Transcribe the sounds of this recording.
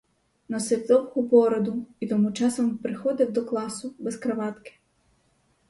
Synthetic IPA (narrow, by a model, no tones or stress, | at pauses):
nɔsɪw̪d̪ɔwhɔbɔɾɔd̪ʊit̪ɔmut͡ʃɑsɔmpɾɪxɔd̪ɪwd̪ɔklˠɑsʊbɛskɾɐʋɑt̪kɪ̥